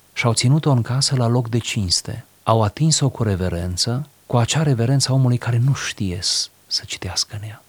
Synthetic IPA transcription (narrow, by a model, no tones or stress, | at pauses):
ʃawt̪sinut̪o̞ɨŋkasəlalo̞kd̪e̞t͡ʃinst̪e̞̰ | awat̪inso̞kuɾe̞ve̞ɾe̞nt̪sə | kuat͡ʃaɾe̞ve̞ɾe̞nt̪sao̞mulujkaɾe̞nuʃt̪ije̞̰ | sə̥t͡ʃi̥t̪easkəɨnja